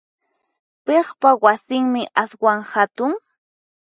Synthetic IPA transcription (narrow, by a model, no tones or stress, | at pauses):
peχpawasɪŋmɪʔaswaŋhat̪ʊŋ